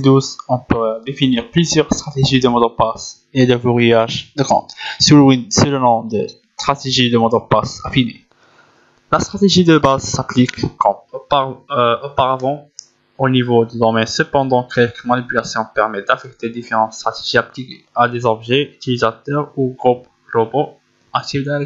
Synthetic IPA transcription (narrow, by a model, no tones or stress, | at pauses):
d̪uzɔ̃pød̪efiniʁplyzjœʁst̪χat̪eʒid̪əmɔd̪ɑ̃pas | ed̪əvuʁijaʒd̪əkɑ̰̃t̪sylisylənɔ̃d̪əst̪χat̪eʒid̪əmɔd̪ɑ̃pasafinḛ | last̪χat̪eʒid̪əbazsaplikːɑ̃ | opaʁavɑ̃ | onivod̪əd̪ɔʁmɛ̃səpɑ̃d̪ɑ̃kʰɛlkəmanipylasjɔ̃pɛʁmɛd̪̥afɛk̚t̪ed̪ifeʁɑ̃t̪st̪χat̪eʒiaplikead̪ezɔbʒɛyt̪ilizat̪œʁuɡʁup̚ | ɡlobo | akt̪id̪a